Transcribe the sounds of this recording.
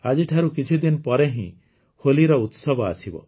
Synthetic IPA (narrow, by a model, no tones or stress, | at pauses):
ad͡ʒiʈʰaɾukit͡ʃʰid̪inpɔɾeɦḭ̃ | holiɾɔut̪sɔbɔa̰sibɔ̰